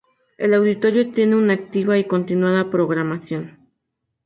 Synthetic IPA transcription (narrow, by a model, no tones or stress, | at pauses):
e̞lawðit̪o̞ɾjo̞t̪je̞ne̞unaːk̚t̪iβaiko̞nt̪inwaðapɾo̞ɣɾamasjo̞n